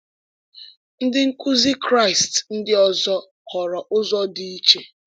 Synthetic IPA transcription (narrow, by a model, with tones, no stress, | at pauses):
n̩˦dɪ˦ŋ̩˦kʊ˦zi˦kɾa˦˨ɪ˨stn̩˦dɪ˦ɔ˦zɔ˦ | kɔ˨ɾɔ˨ʔʊ˦zɔ˦di˦i˦t͡ʃe˨